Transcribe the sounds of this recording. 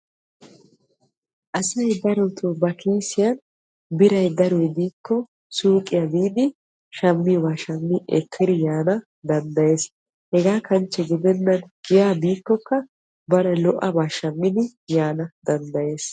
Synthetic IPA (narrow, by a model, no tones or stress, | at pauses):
ʔɐsɐjd̪ɐɾɔt̪ubɐkiːsɪjɐn | bɪɾɐjd̪ɐɾɔjbiːkːɔ | suːkʼɪjɐbiːd̪ɪ | ʃɐmːɪbaːʃɐmːiʔɛ̰kʰːɪd̪ɪjaːnɐ | d̪ɐnd̪ɐje̞ːs | hɛɡaːkɐnt͡ʃːɛɡɪd̪ɛnːɐnɡ̥ɪjaːbiːkːɔkːɐ | bɐɾɐlɔʔɐbaːʃɐmːɪd̪ɪ | jaːnɐd̪ɐnd̪ɐje̞ːs